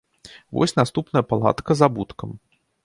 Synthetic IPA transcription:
vɔ̰sʲnast̪upnɐjɐpalˠa̰t̪kɐzabut̪kɐm

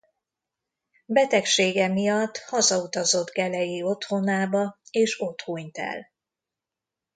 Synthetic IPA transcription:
bɛt̪ɛkʃeːɡɛmijɒt̪ːhɒzɒut̪ɒzo̞d̪ɡɛlɛjio̞t̪ho̞naːbɒeːʃo̞t̪hoɲt̪ɛ̰l

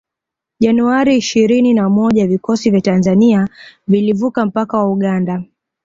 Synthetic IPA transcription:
ʄanuaɾiːʃiɾininamɔʄavikɔsivjatanzaniavilivukam̩pakawauɠanda

